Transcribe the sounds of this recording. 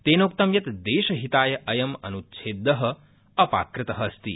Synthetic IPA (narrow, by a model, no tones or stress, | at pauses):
t̪eːnoːk̚t̪ɐmjɐt̪d̪eːʃɐɦit̪aːjɐʔɐjɐmɐ̰nut̪ʃʰeːd̪ːɐɦɐ̆ | ɐpa̰ːkɾɪt̪ɐɦɐːst̪i